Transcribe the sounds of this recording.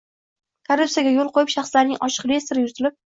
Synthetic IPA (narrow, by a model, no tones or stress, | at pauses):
kʰaɾuptsijaɡʲajolˠqʰojɪpʃɑχslaɾnɪŋɒʃɨ̥qvʲe̞st̪eɾɪjʊt̪ɪlɪp̚